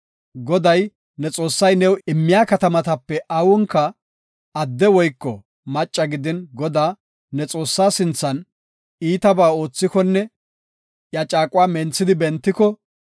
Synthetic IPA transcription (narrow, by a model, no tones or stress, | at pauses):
ɡɔd̪ɐj | nɛt͡sʼo̞ːsːɐjnɛwɪmːɪjaːkɐt̪ɐmɐt̪ɐpːɛʔawɔŋkːɐ | ɐd̪ːɛwɔjkːɔ | mɐt͡ʃʼːɐɡɪd̪ɪnɡɔd̪aː | nɛt͡sʼoːsːaːsɪnt͡sːɐn | iːt̪ɐbaːo̞ːt͡sːɪkɔnːɛ | jɐt͡ʃʼaːkʼʊwaːmɛnt͡sːɪd̪ɪbɛnt̪ːɪkɔ